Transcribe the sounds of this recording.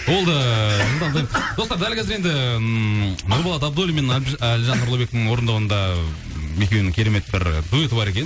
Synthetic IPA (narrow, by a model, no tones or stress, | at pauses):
wo̞lˠd̪əlt̪ɑnʰjmd̪̥o̞st̪ɑɾd̪ælkʲʰæzɪɾend̪ɪ | nʊɾbɑlˠɑt̪ɑb̚d̪olʲˠimenlʲʒɑnʊɾlˠobe̞kə̥ɪŋwo̞ɾənd̪ɑwənd̪ɑ | me̞kʲewnɪŋkʲʰe̞ɾe̞me̞t̪bɪɾd̪uet̪əbɑɾe̞kʲe̞n